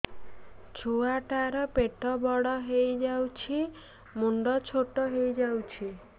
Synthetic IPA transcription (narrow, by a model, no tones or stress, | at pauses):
t͡ʃʰoaʈaɾɔpeʈɔbɔɽɔɦejd͡ʒawt͡ʃʰi | muɳɖɔt͡ʃʰoʈɔɦejd͡ʒawt͡ʃʰi